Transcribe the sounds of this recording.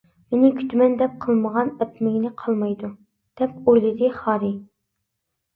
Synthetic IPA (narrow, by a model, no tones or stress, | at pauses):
menɪkʲʰy̥t̪ʰymɛnd̪ɛp̚qʰəlˠməʁɑnɛt̪mɪɡʲinɪqʰɑlˠmɑjd̪u | d̪̥ɛp̚ojlˠɨd̪ɨχɑːɾɪ